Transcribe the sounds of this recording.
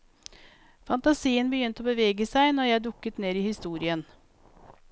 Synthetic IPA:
fɑnt̪ɑsiːənbəjʏnt̪oːbəʋeːɡəsæɪnɔɾjæɪɖʊkːət̪neːɾiːhɪst̪uːɾɪən

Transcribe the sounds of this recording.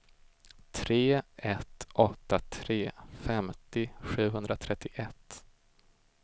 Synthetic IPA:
t̪ʰɾeːɛt̪ʔɔt̪ːat̪ʰɾeːfɛmt̪ɪɧʉ̟ːɦɵnd̪ɾat̪ʰɾɛt̪ːɪʔɛt̪ː

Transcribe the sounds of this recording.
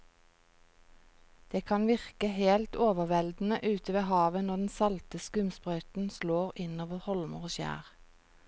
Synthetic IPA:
d̪̥eːkʰɑnʋɪʁkəheːlt̪oːʋəʁʋɛld̪n̩əʔʉːt̪əʋeːhɑːʋənɔʁd̪n̩sɑlt̪əskʉmspʁœʏt̪n̩sloːʁɪnoːʋəhɔlmə̰ʁoːʃjæ̰ːʁ

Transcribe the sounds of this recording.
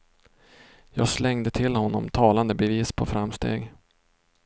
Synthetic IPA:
jɑːɡslɛŋd̪ət̪ʰɪlːhɔnːɔmt̪ʰɑːland̪əbɛviːspʰɔfɾamːst̪ḛːɡ

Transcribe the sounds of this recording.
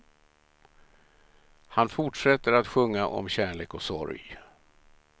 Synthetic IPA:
hanfʊʈʂɛt̪ːəɾat̪ɧɵŋːaʔɔ̰mɕæːɳɭeːkɔsɔ̰ɾj

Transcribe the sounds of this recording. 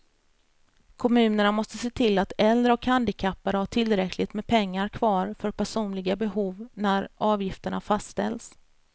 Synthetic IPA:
kʰɔmʉ̟ːnəɳamɔst̪əseːt̪ʰɪlːat̪ɛld̪ɾəɔkhand̪ɪkʰapːaɾhaʈʰɪlɾɛkʰlɪt̪mɛpʰɛŋːaɾkʰvɑːɾfœɾpʰæʂuːnlɪɡabɛɦuːvnæɾʔɑːvjɪft̪əɳafastt̪ɛ̰ls

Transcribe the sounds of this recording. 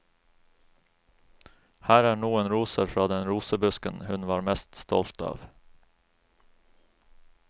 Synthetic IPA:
hæːɾæːɳuːeːnɾuːsəɾfɾɑːd̪ɛnɾuːsəbɵskənhɵnʋɑːɾmɛst̪st̪ɔ̰lt̪ɑ̰ːʋ

